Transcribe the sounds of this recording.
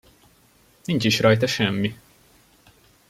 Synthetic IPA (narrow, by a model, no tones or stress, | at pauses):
nint͡ʃiʃrɒjt̪ɒʃɛmːi